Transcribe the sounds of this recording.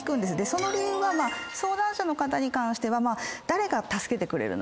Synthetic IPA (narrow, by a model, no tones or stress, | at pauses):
kɯ̟̃nd̪e̞sɨd̪e̞so̞no̞ɾʲijɯ̟ːβamaːso̞ːd̪ãɰ̃ɕano̞kat̪aɲ̟ikãɰ̃ɕi̥t̪e̞βamaːd̪̥aɾe̞ɡat̪asɨ̥ke̞t̪e̞kɯ̟ɾe̞̰ɾɯ̟̰n̰